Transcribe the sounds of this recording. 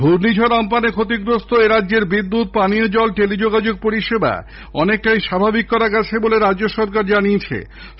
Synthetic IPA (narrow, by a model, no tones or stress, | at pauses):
bʱuɾnid͡ʑʱoɾɔmpanekʰot̪iɡɾost̪oeɾadːʑeɾbid̪ːut̪̚paniod͡ʑɔlʈelid͡ʑoɡad͡ʑoɡ̚poɾiʃeba̰ | ɔnek̚ʈajʃabʱabikːɔɾaɡɛt͡ɕʰeboleɾadd͡ʑoʃɔɾkaɾd͡ʑanijet͡ɕʰḛ